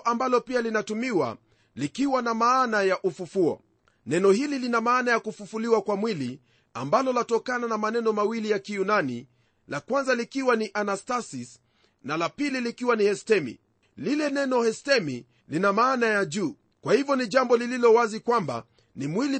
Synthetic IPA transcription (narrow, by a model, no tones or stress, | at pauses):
ʔambalɔpialinatumiwa̰ | likiwanamaːnajaʔufufuɔ̰ | nɛnɔhililinamaːnajakufufuliwakwamwili | ambalɔlatɔkananamanɛnɔmawilijakijunani | lakwanzalikiwaniʔanastasis | nalapililikiwanihɛstɛmḭ | lilɛnɛnɔhɛstɛmi | linamaːnajaʄuː | kwahivjɔniʄambɔlililɔwazikwamba̰ | nimwili